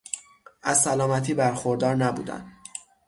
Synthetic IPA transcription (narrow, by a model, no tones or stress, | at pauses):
ʔæzsælɒːmæt̪ʰiːbæɾxoɾd̪ɒːɾnæbṵːd̪æ̰nd̪